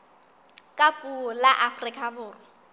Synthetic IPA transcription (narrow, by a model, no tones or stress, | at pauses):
kʼapʼulaʔafrikʼabʊːrɪ